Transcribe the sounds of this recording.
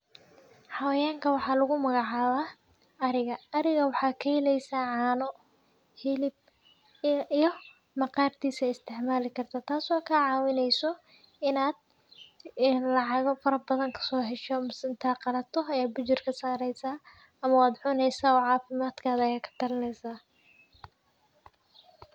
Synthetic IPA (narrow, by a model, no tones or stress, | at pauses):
ħɑwɐjaːŋkʰɐwɑħɑːlɐɣʊmɐɣɑʕɑːβaː | ɐɾɪɣɐɐɾɪɣɐwɑħɑːkʰɐhɛlɛjsaːʕɑːnɔ | hɪlɪb̚ | ijɔ | mɐqɑːrt̪ʰiːsɐɪst̪ʰɪʕmaːlɪkʰɐrt̪ʰaːt̪ʰaːsɔːkʰɐʕɑːwɪnɛjsɔ | ɪnaːd̪̥̚ | nlɑʕɑɣɔfɐɾɐbɐðɐŋkʰɐ̥sɔːɦɛʃɔmsɪnt̪ʰaːqɑlɐt̪ʰɔɐjaːd̪̚bʊt͡ʃɪrkʰɐsaːɾɛjsaː | ɐmɐaːd̪ʕʊnɛjsaːɔːʕɑːfɪmaːd̪kʰaːðɐɐjaːkʰɐ̥t̪ʰɐlɪnɛjsaː